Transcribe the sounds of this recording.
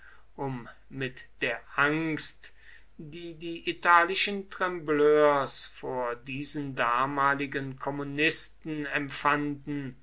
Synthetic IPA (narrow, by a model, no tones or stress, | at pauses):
ʔʊmː | ɪtd̥eːɐʔaŋst | d̥iːdiːʔitʰaːlɪʃəntʁ̥ɛmbløːɐsfoːɐdiːzəndaːmaːlɪɡənkʰɔmunɪstn̩ɛmfandn̩